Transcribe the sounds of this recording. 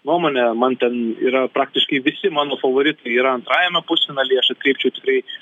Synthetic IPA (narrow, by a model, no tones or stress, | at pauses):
nuɔmoːnʲɛmɐnt̪ʲɛnḭːɾɐpɾɑːk̚t̪ʲɪʃkɐɪʋʲɪsʲɪmɑːnoːfɐʋoːɾʲɪt̪ɐɪiːɾɐɐnt̪ɾɑːjɛmʲɛpʊsʲɛnɐlʲiɪɐʃɐt̪kɾʲɛɪp̚ʲt͡ʃʲɛʊt̪ʲɪkɾɐɪ